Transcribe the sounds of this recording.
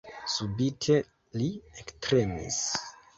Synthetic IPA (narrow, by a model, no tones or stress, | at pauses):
subitʰe̞ | liektɾemḭs